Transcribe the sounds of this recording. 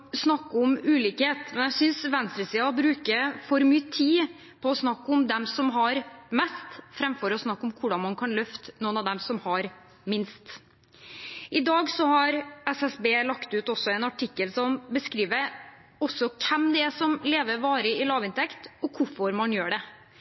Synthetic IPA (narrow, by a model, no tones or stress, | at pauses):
snɑkːɔmʉːliːkheːt̪mɛnjæsʏnsʋɛnst̪ɾəsiːɑbɾʉːkəfɔɾmyːt̪ʰiː | pʰɔːsnɑkːɔmd̪ɛmsɔmɦɑɾmɛst̪fɾɛmfɔɾɔsnɑkːɔmkʰʊɖɑnmɑnkʰɑnlœft̪ə̥nɔːənɑʋd̪ɛmsɔmhɑɾ | mɪnst̪ | ʔɪd̪ɑːɡsɔhɑɾɛsɛsbeːlɑkt̪ʉːt̪ɔsːɔɛnɑʈʰɪkːəlsɔmbəskɾiːʋəɾ | ɔsːɔkʰɛmd̪ɛæsɔmleːʋəɾʋɑːɾəɪlɑːʋɪnt̪ʰɛkt̪ɔkʰʊfɔɾmɑnjøːɖɛ